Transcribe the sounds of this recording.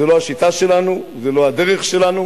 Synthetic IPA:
elo̞aʃit̪aʃe̞lanu | zelo̞ad̪eʁeχʃe̞lanu

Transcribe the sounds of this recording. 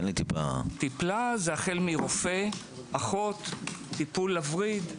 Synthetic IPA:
enlit̪ipa̰t̪iplazeaχelmiʁofe̞ | aχo̞t̪ːipulːafʁid̪

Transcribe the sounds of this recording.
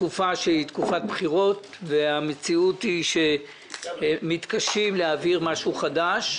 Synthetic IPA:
kufaʃeit̪kufat̪̚bχiʁo̞t | veamet͡siutiʃe | mit̪kaʃimleaviʁmaʃuχadaʃ

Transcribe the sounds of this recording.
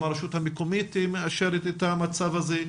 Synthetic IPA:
aɾeʃuthamekomit̪imeaʃeɾetet̪amat͡savaze

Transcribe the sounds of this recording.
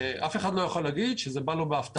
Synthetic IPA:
ʔafe̞χad̪lo̞jaχolːaɡid̪ʃezebalobeaft̪a

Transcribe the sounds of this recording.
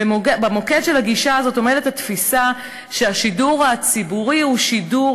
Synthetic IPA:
emoɡebamo̞kedʃelaɡiʃaːzo̞to̞medethatfisa | ʃeaʃiduʁhat͡sibuʁihuʃidu

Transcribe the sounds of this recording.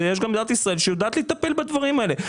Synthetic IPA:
ɐɛʒɡɐ̃md̪at̪isʁɐɛlʲʃewd̪at̪lˠit̪ɐpelʲbɐt̪vɐʁimɛlɛ

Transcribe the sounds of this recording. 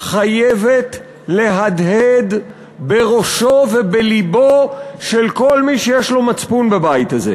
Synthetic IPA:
χajevet̪ | le̞ɦad̪ɦed̪ | be̞ʁo̞ʃo̞vebelibo̞ʃe̞lko̞lmiʃejeʃlo̞mat͡spunbebajit̪azḛ

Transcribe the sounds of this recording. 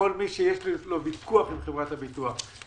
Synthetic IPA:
olmiʃejeʃlilobikuaχimχevʁat̪habituaχ

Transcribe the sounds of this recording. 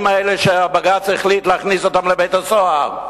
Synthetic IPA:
maɛleʃeabaɡat͡siχlitleaχnisotamlebejtasoaʁ

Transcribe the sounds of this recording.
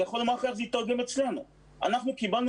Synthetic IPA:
eχolemadkaχzeit̪aʁɡemet͡slenu | a̰naχnukibaln

